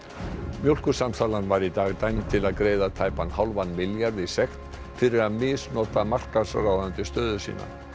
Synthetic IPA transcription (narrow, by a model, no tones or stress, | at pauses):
mjowlkʏ̥samt̪ʰaːlanvaɾit̪aːɣt̪ajmt̪ʰɪlaðkɾeːjðat̪ʰaːjpanhawlvanːmɪljaɾðisɛxt̪ | fɪɾɪɾaðmɪsnɔːt̪amar̥kasrawðant̪ɪst̪œːðʏsḭːna̰